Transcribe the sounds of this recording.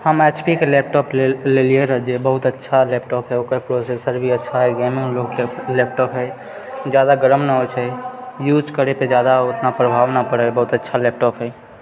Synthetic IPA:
həmeːt͡ʃpikeleːp̚ʈɔːpleleːlieɾəɦd͡ʒebəɦʊt̪ətːʃʰaleːp̚ʈɔːpɦɛokpɾosesəɾbʱiətːʃʰaɦɛɡɛːmɪ̃ŋloɡeleːp̚ʈɔːpɦɛ | d͡ʒjaːd̪aɡəɾəmnəɦot͡ʃʰɛjuːd͡ʒkəɾeped͡ʒjaːd̪aʊt̪napɾəbʱaːʋnapəɽebəɦʊt̪ətːʃʰaleːp̚ʈɔːpɦɛ

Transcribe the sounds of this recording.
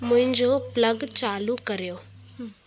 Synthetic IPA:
mʊ̃ɦɪ̃ɲd͡ʑopləɡt͡ɕaːlukəɾjoː

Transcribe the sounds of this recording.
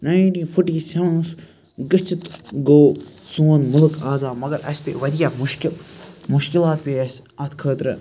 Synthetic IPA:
naːjʈĩːfʰuʈiːsɐwns | ɡət͡ʃʰit̪ɡoːsuːnmʊlɨkaːzaːmɐɡɐɾʔɐ̰sʲpḛʋɐd̪ijaːmʊʃkɪlmʊʃkilaːt̪̚peːɐs | ɐt̪kʰəːt̪ɾɨ

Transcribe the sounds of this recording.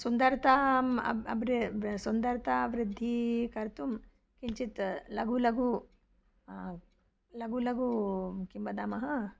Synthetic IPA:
sund̪ɐɾt̪aːmɐʋɾsund̪ɐɾt̪aʋɾɪd̪ʱːikɐɾt̪um | kiɲt͡ʃit̪lɐɡulɐɡu | lɐɡulɐɡukimbɐd̪aːmɐɦɐ

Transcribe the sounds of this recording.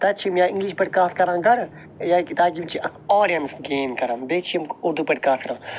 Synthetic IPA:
t̪aːt͡ʃʰimjaːĩŋɡliʃpɐʈʲkaːt̪kɐɾãːɡɐɾ | jaːkit̪aːk̬imt͡ʃʰiʔɐkʰɔːɾijɐnsɡeːmkɐɾɐ̃mbeːt͡ʃʰimkuɾd̪upɐʈkaːt̪kɐɾãː

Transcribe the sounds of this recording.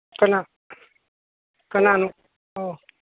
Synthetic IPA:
kəna | kənanu | o

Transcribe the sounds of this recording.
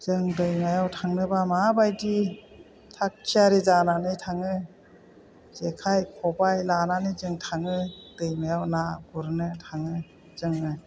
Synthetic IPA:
z̥ɯŋdɯjmajawtʰaŋnɯbamabajdi | tʰak̚kʰijaɾezananɯjtʰaŋɯ | zekʰajkʰɔbajlananɯjzɯŋtʰaŋɯd̥ɯjmajawnaɡuɾnɯtʰaŋɯ | zɯŋɯ

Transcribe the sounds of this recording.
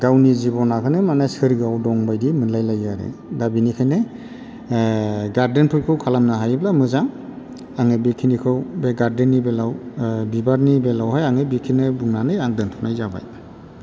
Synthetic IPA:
ɡawnizibɔnakʰɯnɯmanasɯɾɡawdɔŋbajdimɯnlajlajaɾḛdabinikʰajnɯ | ɡaɾdenpʰɯjkʰɯwkʰalamnaɦajblamɯzam | aŋɯbikʰinikʰɯwbeɡaɾdenːibelawbibaɾnibelawɦajaŋɯbikʰinɯbuŋnanɯaŋdɯnpʰɔnajzaba̰j

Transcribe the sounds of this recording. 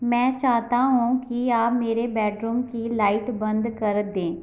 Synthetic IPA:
mɛ̃ːt͡ʃaːɦt̪aɦũkiaːpmeːɾebɛːʈɾuːmkilaːɪʈbə̃nd̪kəɾd̪ẽː

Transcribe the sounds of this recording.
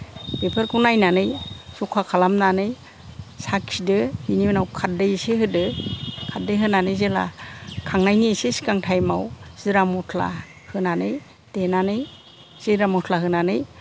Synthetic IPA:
pepʰɯɾkunajnanɯjsukʰakʰalamnanɯj | saksidɯhiniɯnawkʰadɯjseɦɯdɯkʰat̚dɯjɦɯnanɯjzela̰kʰaŋnajniesesi̥kaŋtʰajmawz̥iɾamɔtʰla̰ | hɯnanɯj | d̥enanɯj | z̥eɾamɔtʰlaɦɯnanɯj

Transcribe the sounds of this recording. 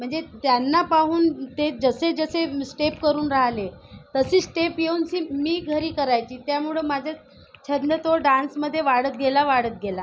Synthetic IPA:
m̤əɳd͡zet̪janːapaɦuːnt̪ed͡zəsed͡zəsesʈepkəɾuːnɾaɦlet̪əsiːsʈepjeunɕiːmiːɡʱəɾiːkəɾajt͡ɕiːt̪jamuɭemad͡ʑʱa | t͡ɕʰənd̪ət̪oɖãnsməd̪ʱːjeʋaɽət̪̚ɡelaʋaɽət̪̚ɡʱela

